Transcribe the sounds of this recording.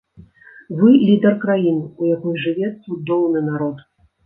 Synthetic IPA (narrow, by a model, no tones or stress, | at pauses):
vɨlʲid̪ɐrkɾajinɨujakɔjʐɨvʲɛt̪sud̪ɔwnɨnaɾɔt̪